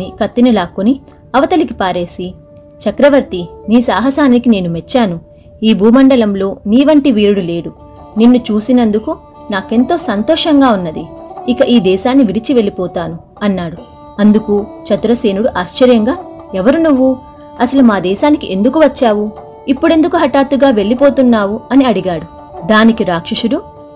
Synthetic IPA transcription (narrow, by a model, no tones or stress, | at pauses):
ikɐt̪ːinilaːkːoni | ɐʋɐt̪ɐlikipaːɾe̞ːsi | t͡ʃɐkɾɐʋɐɾt̪iniːsaːɦɐsaːnnikine̞ːnumɛt͡ʃːaːnu | iːbʱuːmɐɳɖɐlɐmlo̞ːniːʋɐɳʈiʋiːɾuɽule̞ːɽu | ninːut͡ʃuːsinɐnd̪uku | naːke̞nt̪o̞ːsɐnt̪ɔːʂɐŋɡaːunːɐd̪iikɐʔiːd̪ɛːʃaːnːiʋilit͡ʃiʋe̞ɭːipɔːt̪aːnu | ɐnːaːɽu | ɐnd̪uku | t͡ʃɐt̪ɾɐse̞ːnuɽuʔaːʃt͡ʃɐɾjɐŋɡaː | ɛʋɐɾunuʋːu | ɐsɐlumaːd̪ɛːʃaːnikiʔe̞nd̪ukuʋɐt͡ʃːaːʋu | ipːuɽe̞nd̪ukuɦɐʈaːt̪ːuɡaːʋe̞ɭːipo̞ːt̪unːaːwuɐniɐɽiɡaːɽu | d̪aːnikiɾaːkʂiʂuɽu